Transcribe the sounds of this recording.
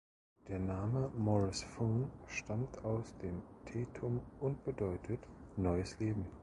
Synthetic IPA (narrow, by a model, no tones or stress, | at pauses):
d̥eːɐnaːməmɔʁɪsfoːnʃtʰamtʰaʊsd̥eːmtʰeːtʰʊmʔʊnt̚b̥ədɔʏtʰətnɔʏəsleːbm̩